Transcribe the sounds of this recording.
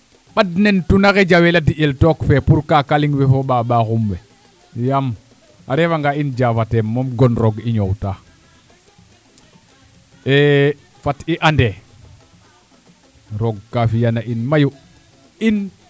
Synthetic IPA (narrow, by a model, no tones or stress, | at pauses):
ɓadnentunaɣed͡ʒaweladiʔeltokfɛpuɾkakaliŋwɛfoɓaɓaxumwɛ | jam | aɾevaŋɡaind͡ʒafatemːomɡɔnɾoɡiɲowta | e | fatiʔande | ɾoɡ̚kafijanaʔinmaju | in